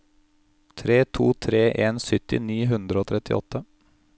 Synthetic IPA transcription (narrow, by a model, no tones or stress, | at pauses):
t̪ʰɾeːt̪ʰuːt̪ʰɾeːʔeːnsʏt̪ɪ̰niːɦʉnd̪ɾəoːt̪ʰɾɛt̪ɪ̰ʔɔ̰t̪ʰːə